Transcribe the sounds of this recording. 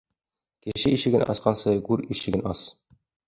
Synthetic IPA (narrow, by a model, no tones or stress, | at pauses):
kɘ̆ʃɘiɕɘ̆ɡɘnʔɑ̰sqɑnsɤɡʉɾiɕɘ̆ɡɘ̆nɑs